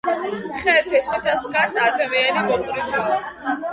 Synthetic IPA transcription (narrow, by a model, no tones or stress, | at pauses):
χɛɾpʰɛsit̪ʰɛskasad̪amianimɔkʼɾit̪ʰai